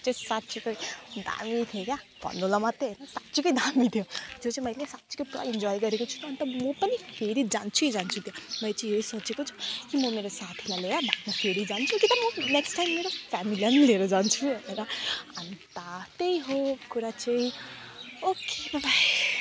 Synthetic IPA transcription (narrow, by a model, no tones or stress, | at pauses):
t͡sʌ̃sat̪t͡sʰikʌjd̪a̰mit̪ʰjokja | b̥ʱʌ̰nd̪olʌmat̪ːeɦʌjnʌsat̪t͡sikʌjd̪ʱamit̪ʰjod͡zot͡sãmʌjlesat̪si̥kʌjpuɾa̰ind͡zɔjɡʌɾekot͡sʰu̥t̪ːnt̪ʌmʌpʌnipʰeɾid͡zant͡sʰuid͡zant͡sʰut̪jamʌjlt͡sʌ̃ĩpʰeɾisʌt͡sekot͡sʰu̥kimʌmeɾosat̪ʰilajleɾabʱak̪mapʰijoɾid͡zant͡sʰukit̪ʌmʌneksʈajmːeɾofamilianileɾʌd͡zant͡sʰubʱʌjneɾʌʌnt̪at̪ejɦokuɾat͡sʌ̃ĩ | okebabaj